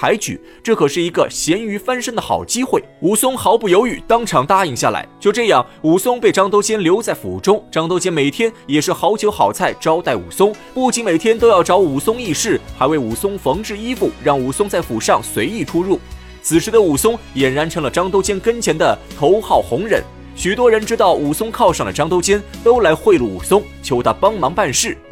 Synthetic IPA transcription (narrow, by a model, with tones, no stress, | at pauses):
a˧˥ɪt͡ɕy̰˨˩˦ | ʈ͡ʂɤ˥˩kʰɤ˨˩ʂɻ̩˥˩i˧˥ɡə˧ɕjɛ˧˥ny˧˥fa˥nʂə˥ŋd̪ə˨xɑ̰˨˩ʊt͡ɕi˥xwe˥˩ɪu˧˥˩sʊ˥ŋxɑ˧˥ʊpu˥˩jo˧˥ʊy˨˩t̪ɑ˥ŋʈ͡ʂʰɑ˧˥ŋt̪a˥i˥˧ŋɕja̰˥˩la̰˧˥ɪt͡ɕjo˥˧ʊʈ͡ʂɤ˥˧jɑ˥˩ŋ | u˨˩sʊ˥ŋpe˥˩ɪʈ͡ʂɑ˥ŋt̪o˥ʊt͡ɕjɛ˥nljo˧˥ʊt͡sa˥˩ɪfṵ˨˩ʈ͡ʂʊ˥ŋʈ͡ʂɑ˥ŋt̪o˥ʊt͡ɕjɛ˥nme˨˩ɪt̪ʰjɛ˥njɛ˨˩ʂɻ̩˥˩xɑ˧˥ʊt͡ɕʰjo˧˥ʊxɑ˨˩ʊt͡sʰa˥˩ɪʈ͡ʂɑ˥ʊt̪a˥˩ɪṵ˨˩sʊ˥ŋ | pu˥˩t͡ɕi˧˥nme˨˩ɪt̪ʰjɛ˥nt̪o˥ʊjɑ˥˩ʊʈ͡ʂɑ˧˥ʊu˨˩sʊ˥ŋi˥˧ʂɻ̩˥˩xa˧ɪwe˥˩ɪu˨˩sʊ˥ŋfɤ˧˥ŋʈ͡ʂɻ̩˥˩i˥fu˥˩ɻɑ˥˩ŋu˨˩sʊ˥ŋt͡sa˥˩ɪfu˨˩ʂɑ˥˩ŋswe˧˥ɪi˥˩ʈ͡ʂʰu˥ɻu˥˩ | t͡sʰɹ̩˨˩ʂɻ̩˧˥d̪ə˧u˨˩sʊ˥ŋjɛ˨˩nɻa˧˥nʈ͡ʂʰɤ˥ŋlə˨ʈ͡ʂɑ˥ŋt̪o˥ʊt͡ɕjɛ˥nkə˥nt͡ɕʰjɛ˧˥nd̪ə˧t̪ʰo˧˥ʊxɑ˥˩ʊxʊ˧˥ŋɻə̰˧˩˦n | ɕy˨˩t̪wɔ˥ɻə˧˥nʈ͡ʂɻ̩˥t̪ɑ˥˩ʊu˨˩sʊ˥ŋkʰɑ˥˧ʊʂɑ˥˩ŋd̪ə˩ʈ͡ʂɑ˥ŋt̪o˥ʊt͡ɕjɛ˥nt̪o˥ʊla˧˥ɪxwe˥˧ɪlṵ˥˩ṵ˨˩sʊ˥ŋt͡ɕʰjo˧˥ʊt̪ʰa˥pɑ˥ŋmɑ˧˥ŋpa˥˧nʂɻ̩˥˩